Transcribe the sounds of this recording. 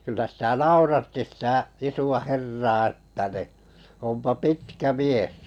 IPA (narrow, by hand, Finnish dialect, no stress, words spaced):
kylːæ sitæ nɑurɑtːi sitæ isuɑ herːɑː e̥tːæ ni ompɑ pitkæ mies